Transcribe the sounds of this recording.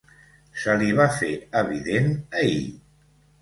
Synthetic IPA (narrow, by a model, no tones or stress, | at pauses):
səliβ̞afeəβ̞iðenəḭ